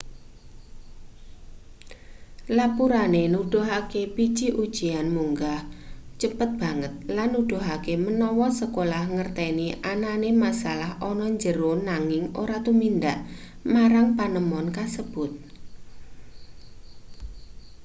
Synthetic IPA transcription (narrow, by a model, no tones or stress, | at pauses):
lapuɾanenuɖ̥o̤ɦakepi̥t͡ʃiʔud̥ʒ̥ianmuŋɡaht͡ʃəpət̪̚b̥a̤ŋət̪̚lanːuɖ̪̥o̤ɦakemənɔwɔsəkolahŋərt̪ɛniʔananemasalahɔnɔɲd͡ʒəɾonaŋɪŋoɾat̪umind̪aʔ | maɾaŋpanəmɔnkasəb̥ʊt̪̚